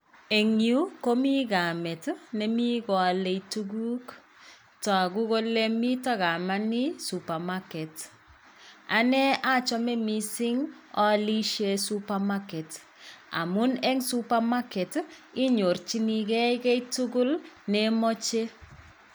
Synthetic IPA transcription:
e˨ŋju˦ko˦mi˦ɡa˨mɛ˨tnɛ˨mi˦kɔ˨a˨le˨jtu˦ɡu˦k | tɔ˨a˨ɡu˦ko˦lɛ˦mi˦tɔ˦ɡa˨ma˦ni˦su˨pa˨makɛ˨t | a˨nɛ˦a˦t͡ʃɔ˦mɛ˦misi˦ŋ | ɔ˦li˦ʃe˨supa˨makɛ˨t | a̰˨mu˦nɛ˦ŋsupa˦ma˦kɛ˨ti˦ɲo˨ɾt͡ʃi˦ni˨kɛ˦jkɛ˦itu˦ɡu˦lnɛmɔ˦t͡ʃe˦

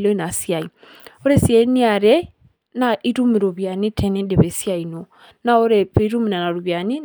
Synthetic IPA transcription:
lɔ˦i˦na˨sia˨i | o˦ɾɛ˦sja˨i˦ni˦a˨ɾɛ˦ | na˨ʔi˦tu˦mi˨ɾo˨βja˨ni˦tʰɛ˨nɛ˦nde˨βɛ˨sja˨ino˨ | na˦o˦ɾɛpɛ˦i˦ɾu˦mi˨na˨na˨ɾu˨βja˨ni˦

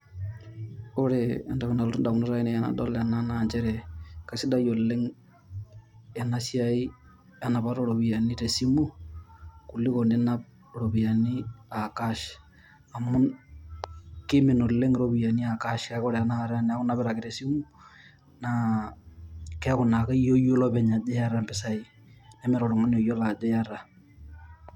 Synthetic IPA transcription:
o˦ɾeːnda˨kuna˨lotu˦nda˨ku˨no˦ɾa˦i˦ne˨jana̰dɔla˨nanand͡ʒeɾeka˨si˦da˦jo˨le˦ŋ | e˨na˦sjai˦ | a˦na˨βaɾoɾo˨βia˨niɾe˨simu˦ | ku˨li˦kone˦nap̚ | ɾoβia˨ni˦a˨kaʃ | a˨mu˦n | kimi˨no˨le˦ŋɾoβija˨ni˦a˨ka˦ʃka˨ko˦ɾe˨ana˦˨ɾa˦ne˨a˦ku˦na˦βɛ˦ɾaki˨ɾe˨simu˦ | na | kɛ˦ku˨na˨ka˦ijo˦jo˦loβɛ˨ɲa˨d͡ʒe˦ja˦ɾampe˦sa˨i | ne˦meɾo˨ɾo˨ŋa˦no˨jo˦la˨d͡ʒe˦jaɾa˦

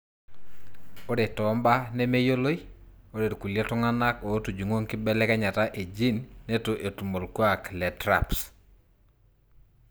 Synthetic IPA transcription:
o˦de˨tɔ˨˦mba˦ne˦me˦jo˦lo˦i | o˦de˨tku˨lja˦tu˦ŋa˦na˦ko˨˦tu˨d͡ʒu˨ŋo˦ŋkɪ˦bɛ˦lɛ˦kɛ˦ɲa˨ta˦ʔe˨d͡ʒi˦nːe˦to˨ʔe˨tu˨mo˨lkwa˦klɛ˨tɾa̰˨ps

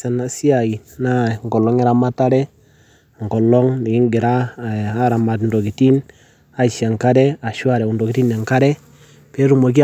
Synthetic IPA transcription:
sɛ˨na˨si˦a˨i˨na˦˨ŋ˨ɡɔ˨lɔ˦ŋɪ˦ɾa˦ma˦ta˦ɾɛ˦ | ŋ˨ɡɔ˨lɔ˦ŋnɪ˨kɪ˦ŋɡɪ˨ɾaː˦˨˦ɾa˨ma˨tndo˨ki˨ti˦n | a˦˨ʃa˨ŋka˦dɛ˦a˨ʃwa˦˨ɾɛ˨u˨ndo˨ki˦ti˦ne˨ŋka˦ɾɛ˦ | pɛ˦ɾu˦˨mo˨k̬i˦˨

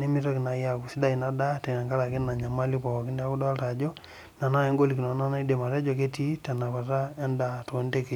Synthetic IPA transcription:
ne˦mi˦tɔ˦ki˨na˨ja˨ku˨si˦da˦i˨na˦da˦tɛ˨na˨ŋɡa˦ɾa˨ki˦na˨ɲa˨ma˦li˦pɔ˨kɔ˨ki˦nda˦ku˦dɔ˦a˦lta˨d͡ʒɔ˦ | na˨na˦ɛ˦ŋɡo˦li˨ki˨nɔ˨na˦na˦i˦de˨ma˨tɛ˦d͡ʒɔ˨k̬e˦ti˦ta˨na˨pa˨ta˦ɛ˦nda˨to˨˦n˦de˦ke˦˨

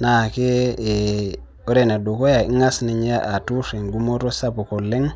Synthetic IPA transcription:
na˨ke˦˨ | o˦ɾe˦˨ne˨du˨ko˦ja˨i˦ŋa˦sni˨ɲa˦ʔa˨tu˦si˨ŋɡu˦mo˦ɾo˦sa˦po˨ko˨lːe˦ŋ

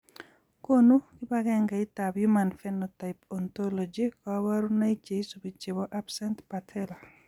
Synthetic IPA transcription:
ko˦nu˦kɪ˦ba˦ɡɛ˦ŋɡa˨i˦ta˨bjumanfɛnota˨ɪpɔnt̪o˦lod͡ʒikɔ˨wa˦ɾu˦na˦i˦t͡ʃe˨isobi˨t͡ʃe˨bɔʔa˦bsɛntpatʰɛla˨

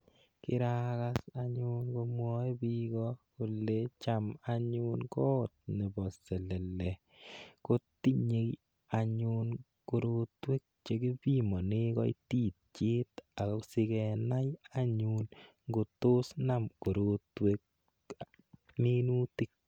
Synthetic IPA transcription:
kɪ˦ɾaka˦saɲʊnko˧mwɔ˦e˦biɡɔku˨let͡ʃa˨maɲʊnkɔː˦t̚ne˨bɔ˨sɛ˨lɛ˨lɛ˨ | ko˦ti˦ɲe˨k | a˨ɲʊn | ko˨ɾotwe˦k̚t͡ʃe˦ki˦bi˦mɔ˨nɪ˦kɔ̰˦ḭti˦t̚t͡ʃi˦ta˨kɔ˦sɪ˦kɛna˦jaɲun | ŋɡo˨to˦snamko˨ɾotwe˦k̚ | mi˦nu˦ti˦k̚

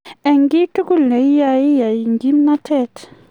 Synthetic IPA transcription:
ɛ˨ŋɡi˦tu˦ku˦lɛ˨i˦ja˨i˦ja˨i˨ŋɡi˦mna˦tʰɛ˦t

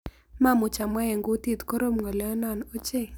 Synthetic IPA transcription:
ma˦˨mʊ˨t͡ʃa˨mwa˦ɛ˨ŋɡʊ˦t̪i˦t̪kɔ˦ɾo˦mŋɔ˨lɛ˦na˦˨no˦t͡ʃe˦˨

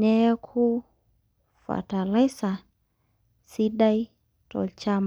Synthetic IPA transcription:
ɛ˦kʰu˦ | fa̰˨ta˨le˦sa˨ | si˦ɗa˦i˦ | tɔ̰˨t͡ʃa˦m

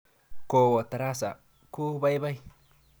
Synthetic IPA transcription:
ko˨wo˨t̪a˨ɾa˦sa̰˨ | ku˦βa˦jβa˦j

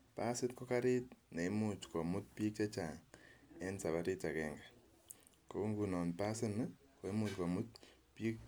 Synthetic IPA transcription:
pa˦sɪ˦tkɔ˦ka˦ɾɪ˦t̚ne˨i˦mu˨t͡ʃkɔ˨mʊ˦t̚pi˦k̚t͡ʃe˦t͡ʃa˨ŋɛ˦nsa˨βa˦ɾi˦ta˨kɛŋɡa˨ | ko˦ŋɡu˨nɔ˨npa˦sɪ˦n˦ | ko˨e˦mu˨tko˨mʊ˦t̚ | pi˦k

